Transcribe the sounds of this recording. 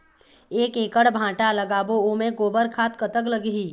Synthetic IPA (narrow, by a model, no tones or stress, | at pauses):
eːkẽːkəɽbʱãːʈaləɡaːboomẽɡoːbəɾkʰaːt̪̚kət̪əkləɡɦiː